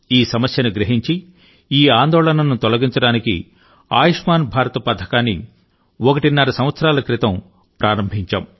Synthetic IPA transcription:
iːsɐmɐsjɐnuɡɾiɦiɲt͡ʃi | iːaːnd̪ɔːɭɐnɐnut̪ɔlɐɡiɲt͡ʃɐɽaːnikḭ | a̰ːjiʂmaːnbʱaːɾɐt̪ɐpɐd̪ʰʱɐkaːnːḭ | ɔkɐʈinːɐɾɐsɐ̃mʋɐt̪sɐɾaːlɐkɾit̪ɐm | pɾʔaːɾɐmbʱiɲt͡ʃɐm

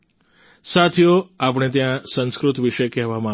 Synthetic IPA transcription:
sat̪ʰjoap̬ɽ̃et̪̬jãsə̃nskɾʊt̪ʋiʃəkɛɦʋamã

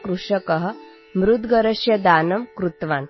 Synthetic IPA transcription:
kɾuʂɐkɐɦə̆ | mɾud̪ɡɐɾɐʂjɐd̪aːnɐmkɾut̪ʋaːn

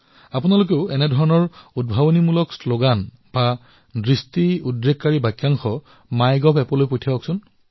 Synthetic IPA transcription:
apunalok̬eʊɛnɛdʱɔɹɔnɔɹud̚bʱabonimulɔksloɡan | b̥a | dɹistiudɹekːaɹibajkjaŋxɔ | majɡɔpʰɛpɔlojpojtʰijaɦɔksʊn

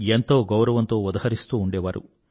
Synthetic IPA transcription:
ent̪o̞ːɡɐwɾɐʋɐnt̪o̞ːud̪ɐɦɐɾist̪uːɳɖeːʋaːɾṵ

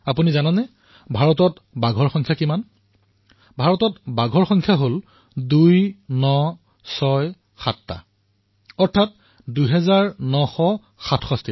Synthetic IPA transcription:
apunizananɛ | bʱaɹɔtɔt | baɡʱɔɹxɔŋkʰjakiman | bʱaɹɔtɔtbaɡʱɔɹxɔŋkʰjaɦol | dujnɔ | sɔj | xatːa̰ | ɔɹtʰat̚ | duɦɛzaɹnɔxɔ | xatʰxɔsti

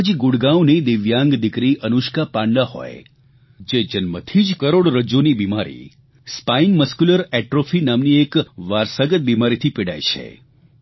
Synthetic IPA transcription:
d͡ʒiɡuɽɡãwnid̪ɪʋjãŋɡd̪ɪkɾiʔənuʃkapãɳɖaɦɔ̰e | d͡ʒed͡ʒənmət̪ʰid͡ʒkəɾoɽɾəd͡ʒonibimaɾḭ | spainməskuləɾɛʈɾofʰinamniekʋaɾsaɡət̪̚bimaɾit̪ʰipeɽa̰jt͡ʃʰḛ

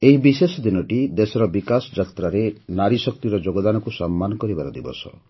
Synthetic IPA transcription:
eɦibisesɔd̪inɔʈid̪esɔɾɔbikasɔd͡ʒakt̪ɾaɾenaɾisɔkt̪iɾɔd͡ʒoɡɔd̪anɔkusɔmːanɔkɔɾibaɾɔd̪ibɔ̰sɔ̰

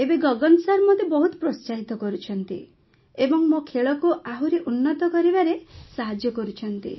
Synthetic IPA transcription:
ebeɡɔɡɔnsaɾmɔd̪ʱjebɔɦut̪ɔ̥pɾɔst͡ʃaɦit̪ɔkɔɾut͡ʃʰɔnt̪ḭ | ebɔŋmokʰeɭɔkuaɦuɾeʔunːɔt̪ɔkɔɾibaɾesaɦad͡ʒjɔkɔɾut͡ʃʰɔnt̪ḭ

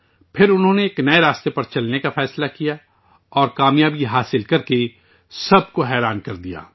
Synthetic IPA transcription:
pʰɪɾʊnɦõːneːknɐeɾaːst̪epɐɾt͡ʃɐlnekafɛːslakija | ɔːɾkaːmjaːbiɦaːsɪlkɐɾke | sɐb̚koɦɛːɾaːnkɐɾd̪ija̰ː

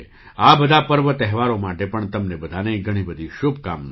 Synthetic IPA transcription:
abəd̪ʱapəɾʋət̪ɛɦʋaɾomaʈepəɳt̪əmnebəd̪ʱaneiɡʱəɽ̃ibəd̪ʱiʃubʱkamn

